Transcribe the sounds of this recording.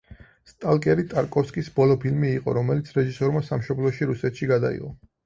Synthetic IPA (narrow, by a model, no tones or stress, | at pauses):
st̪ʼalˠkʼɛɾit̪ʼaɾkʼɔfskʼisbɔlˠɔpʰilmiːqʼɔ̰ɾɔmɛlit̪sʰɾɛʒisɔɾmasamʃɔblˠɔʃiɾusɛt̪ʃiɡad̪a̰ḭʁɔ